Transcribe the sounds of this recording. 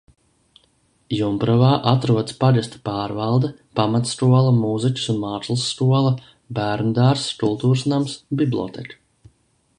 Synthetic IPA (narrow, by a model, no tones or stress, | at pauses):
jumpɾɔvaːʔat̪ɾuɔd̪spad̪ʲɛst̪ḁpaːɾvɑlˠd̪ɛ | pamat̪skuɔlˠɐmuzicʲu̥sunmaːslˠsːkuɔlˠɐ | bæːɾnud̪aːɾskulˠt̪uːɾsnamsbiblʲˠɔ̰ːt̪ɛ̰kḁ